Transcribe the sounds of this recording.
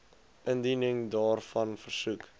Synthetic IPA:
ʔəndinəŋdɑːrfɐnfərsuk

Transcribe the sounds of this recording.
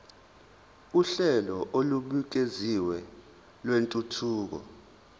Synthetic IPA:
uɬɛlɔʔoluɓuk̬eziwɛ | lwentʼutʰuːk̬ɔ̰

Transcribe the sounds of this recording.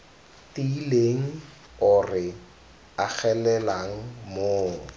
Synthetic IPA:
tileŋ̩ | ʊrɪ | ak͡xʰɛlɛlaŋ̩moːŋ̩

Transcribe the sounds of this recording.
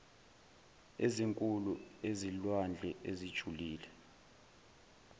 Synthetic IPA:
eziŋkʼuluezilwand͡ɮʱɛʔezid̥ʒ̥ʱuliːlɛ

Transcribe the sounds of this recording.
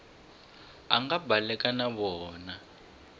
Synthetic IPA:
a̰ŋɡabalɛkanaβɔːna

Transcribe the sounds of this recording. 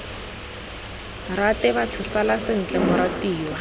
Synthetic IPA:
ratɛbatʰʊsalasɪn̩t͡ɬʼɛmʊɾatiːwa

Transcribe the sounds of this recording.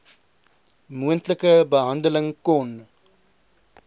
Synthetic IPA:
muəntləkəbəɦɐndələŋkɔn

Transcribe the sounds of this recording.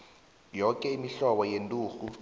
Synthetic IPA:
jɔkʼɛimiɬɔɓɔjentʼuːxu

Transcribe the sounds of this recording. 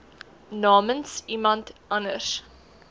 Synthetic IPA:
nɑːmənsimɐntʔɐnəs

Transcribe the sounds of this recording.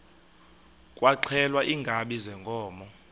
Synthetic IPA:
kʼwaǀʰɛlwaʔiːŋɡʱaɓizɛŋkʰʼɔːmɔ

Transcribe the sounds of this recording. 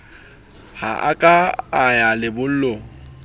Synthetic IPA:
ha̰ʔa̰kʼaːjalɪbʊl̩lo

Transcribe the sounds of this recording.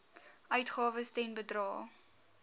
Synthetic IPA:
œɥtχɑːvəstɛnbədrɑː

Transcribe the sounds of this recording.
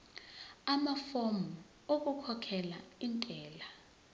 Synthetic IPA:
amafomu | ok̬ukʰɔkʰɛlaintʼɛːla

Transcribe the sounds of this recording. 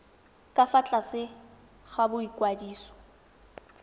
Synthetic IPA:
kʼafat͡ɬʼasɪ | ɣabʊikʼwadiːsɔ̥

